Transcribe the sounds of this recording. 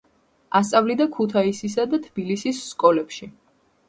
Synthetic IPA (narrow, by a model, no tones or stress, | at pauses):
ast̪sʼavlid̪akʰut̪ʰaisis̬ad̪at̪ʰb̥ilisisːkʼɔlɛpʃi